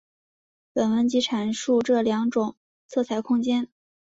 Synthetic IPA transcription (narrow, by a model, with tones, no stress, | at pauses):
pə˨˩nwə˧˥nt͡ɕi˧˥ʈ͡ʂʰa˨˩nʂu˥˧ʈ͡ʂɤ˥˩ljɑ˧˥ŋʈ͡ʂʊ˨˩˦ŋ | t͡sʰɤ˥˩t͡sʰa˥˨˩ɪkʰʊ˥ŋt͡ɕjɛ˥n